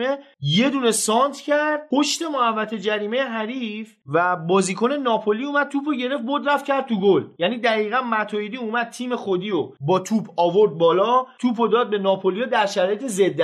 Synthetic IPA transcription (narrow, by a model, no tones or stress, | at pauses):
e̞ | je̞d̪uːne̞sɒːnt̪ʰcʰæɾd̪̥̚pʰoʃt̪e̞moævːæt̪ʰe̞d͡ʒæɾiːme̞jeɦæɾiːf | væbɒːziːkʰone̞nɒːpʰoliumæd̪̥̚t̪upʰoɟe̞ɾe̞ft̚boɾd̪ɾæft̪cʰæɾd̪̚t̪uɡoljæniːd̪æɣiːɣænmæt̪ʰɒːjid̪iːumæd̪̚t̪ʰiːme̞xod̪iobɒːt̪ʰuːpʰɒːvo̞ɾd̪̚bɒːlɒːt̪ʰuːpʰod̪ɒːd̪̚be̞nɒːpʰolijɔd̪æɾʃæɾɒːjet̪ʰeze̞d̪ː